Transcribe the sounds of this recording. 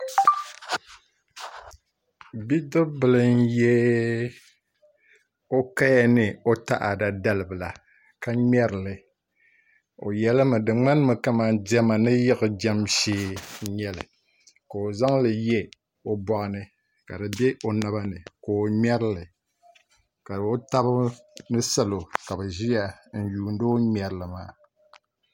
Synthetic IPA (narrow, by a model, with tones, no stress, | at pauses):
bi˦dɨ˦bɨ˨lɨ˦njɛː˦ | o˦ka˦ja˦nɨ˦˨o˦ta̰˦ʔa˨da˨da˦lɨ˨bɨ˨la˨ | ka˦mɛ˦ɾɨ˨lɨ˨ | o̰˨jɛ˦lɨ˦mɨ˨dɨ˨ŋ͡ma˦n˦mɨ˨ka˦ma˨ndi˦ɛ˦ma˨nɨ˦jɪ˦ɣɨ˨d͡ʒɛ˦mʃeː˦ɲɛ˦lɨ̰˨ | ka˨o˨za˦ŋlɨ˨jɛ˦ | o˦bɔ˨ʔɨ˨nɨ˨ | ka˨dɨ˨bɛ˦o˨na˦βa˦nɨ˨ko˨o˨mɛ˦ɾɨ˦lɨ˨ | ka˨o˦ta˦bɨ˦nɨ˦sa˦lo˨ka˨bɛ˨ʒi˦ja˨n̩˨juː˨n˦do˦mɛ˨ɾɨ˨lɨ˨ma̰ː˦˨